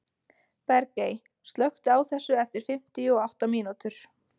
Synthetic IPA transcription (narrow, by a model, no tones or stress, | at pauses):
pɛɾcej | st̪lœxt̪aːwθɛsːʏɛft̪ɪɾ̥fɪm̥t̪iɔawht̪amiːnut̪ʏɾ̥